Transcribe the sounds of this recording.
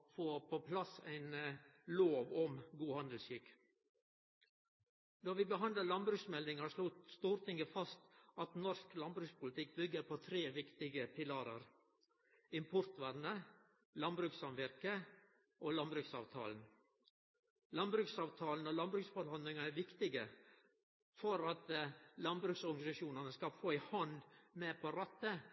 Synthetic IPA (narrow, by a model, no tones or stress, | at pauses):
foːpʰopʰlɑsæ̰ɪnloːʋɔmɡuːhɑnd̪əl̩sʏk | d̪ɔɾʋɪbəɦɑnd̪əlɑnbɾʉːksmɛld̪ɪŋɑʂlʊt̪st̪uːɾt̪ʰɪŋɡəfɑst̪ʔɑt̪nɔɾsklɑnbɾʉːkspʰʊlɪt̪ʰɪk̚bʏɡːəɾpʰot̪ʰɾeːʋɪkt̪ɪɡəpʰɪlɑɾə̰ɾ | ɪmpʰʊɾt̪ʋæɾnə | lɑnbɾʉːksɑnʋɪɾkə | ʔoːlɑnbɾʉksɑ̰ːʋt̪ʰɑ̰ːln̩ | lɑnbɾʉːksɑːʋt̪ʰɑːln̩oːlɑnbɾʉːksfɔɾhɑnd̪lɪŋɑæɾʋɪkt̪ɪɡə | fɔɾɑt̪lɑnbɾʉːksɔɾɡɑnɪsɑʃuːnɑnəskɑfoːɪhɑnd̪meːpʰoɾɑt̪ːə